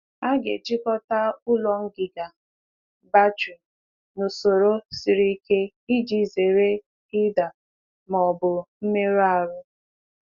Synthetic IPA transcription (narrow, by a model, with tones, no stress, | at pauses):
a˦ɡḛ˨d͡ʒɪ˦kɔ˦ta˦ʊ˦lɔ˦ŋ̩˦ɡɪ˨ɡa˨ | ba˦d͡ʒu˨ | no˨so˨ɾo˦si˨ɾi˦ke˦ | i˦d͡ʒi˦˨ze˨ɾe˦ | i˦da˨ | mɔ˨bʊ˨m̩˦me˦ɾa˦˨ɾʊ˦